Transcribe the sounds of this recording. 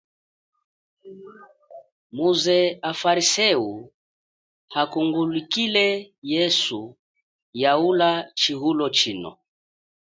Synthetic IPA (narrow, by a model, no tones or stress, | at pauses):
muzɛafaɾisɛu | hakuŋɡulikilɛjɛsu | jaulat͡ʃiɣulɔt͡ʃinɔ̰